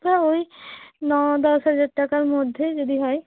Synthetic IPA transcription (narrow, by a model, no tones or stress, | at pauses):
paoinɔd̪ɔsɦɛd͡ʒaɖ̚ʈakaɾmod̪ʱːjed͡ʒod̪ʱiɦɔe